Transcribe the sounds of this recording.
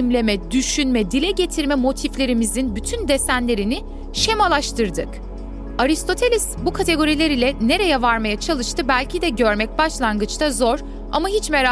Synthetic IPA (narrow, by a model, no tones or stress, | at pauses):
imlʲe̞mɛd̪yʃynmɛd̪ilʲɛɟe̞t̪ʰiɾmɛmo̞t̪ʰiflʲe̞ɾimizinbyt̪ʰynd̪e̞sænlʲe̞ɾinɪ | ʃe̞malˠaʃt̪ʰɯɾd̪ɯk | aɾist̪ʰo̞t̪ʰe̞lʲisbukʰat̪ʰe̞ɡo̞ɾilʲe̞ɾilʲɛne̞ɾe̞jɛvaɾmajat͡ʃʰalˠɯʃt̪ʰɯbælʲcʰid̪ɛɟø̞ɾmɛc̚baʃlˠanɡɯt͡ʃt̪ʰazo̞ɾ | a̰maɦit͡ʃmeɾa